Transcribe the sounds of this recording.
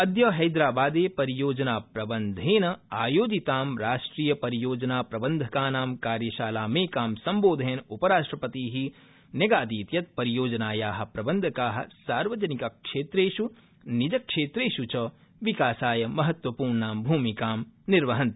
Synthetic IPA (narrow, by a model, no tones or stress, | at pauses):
ɐd̪jɐɦɐjd̪ɾaːbaːd̪eːpɐɾijoːd͡ʒɐnaːpɾɐbɐnd̪ʱeːnɐaːjoːd͡ʒit̪aːmɾaːʂʈɾiːjɐpɐɾijoːd͡ʒɐnaːpɾɐbɐnd̪ʱɐkaːnaːmkaːɾjɐʃaːlaːmeːkaːmsɐmboːd̪ʱeːnupɐɾaːʂʈɾɐpɐt̪iːɦi | njɐɡaːd̪iːt̪jɐt̪̚pɐɾijoːd͡ʒɐnaːjaːɦɐ̆pɾɐbɐnd̪ʱɐkaːɦɐ̰̆saːɾʋɐd͡ʒɐnikakʃeːt̪ɾeːʃu | nid͡ʒɐkʃeːt̪ɾeːʃut͡ʃɐ | ʋikaːsaːjɐmɐɦɐt̪wɐpuːɾɳnaːmbʱuːmikaːmniɾʋɐɦɐ̃nt̪